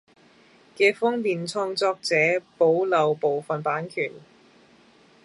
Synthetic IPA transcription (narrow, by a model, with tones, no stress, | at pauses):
kɛː˧fʊ˥ŋliː˨nt͡sʰɔː˧ŋt͡sɔː˧k̚t͡sɛː˨˥po˨˥wlɐ˨wpo˨wfɐ˨˩npaː˨˥nkʰyː˨˩n